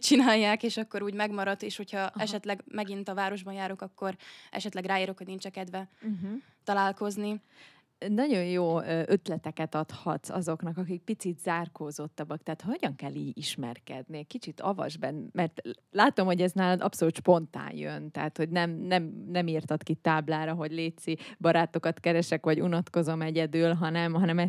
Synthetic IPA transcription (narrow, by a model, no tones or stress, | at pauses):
t͡ʃinaːjːaːkeːʃɒkːo̞ɾuːɟmɛɡmɒɾɒt̪eːʃho̞cʰhɒɛʃɛt̪lɛɡmɛɡint̪ɒvaːɾo̞ʒbɒnjaːɾo̞kɒkːo̞ɾɛ̰ʃɛt̪lɛɡraːiːɾo̞kho̞ɟnint͡ʃɛkɛd̪vɛ | t̪ɒlaːlko̞zni | nɒɟo̞njoːʔøt̪lɛt̪ɛkɛt̪ɒt̪hɒt̪sɒ̰zo̞knɒkɒkik̚pit̪sit̪z̥aːrkoːzo̞t̪ːɒbːɒk̚t̪ɛaːt̪ho̞ɟɒŋkɛlːiːɟiʃmɛ̰rkɛ̰d̪niɛckit͡ʃit̪ɒ̰vɒ̰ʒbɛnmɛrt̪laːt̪o̞mho̞ɟɛznaːlɒd̪ɒpso̞luːt̪ʃpo̞nt̪a̰ːnjø̰nt̪ɛɦat̪ho̞ɟnɛmnɛmnɛmiːrt̪ɒt̪kit̪aːblaːɾɒɦo̞ɟleːt̪sibɒɾaːt̪o̞kɒt̪kɛɾɛʃɛkʋɒɟunɒt̪ko̞zo̞mɛɟɛd̪yːlɦɒnɛmɦɒnɛmɛ